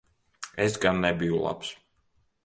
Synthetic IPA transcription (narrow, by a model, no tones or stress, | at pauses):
ɛsɡanːɛbiulˠa̰ps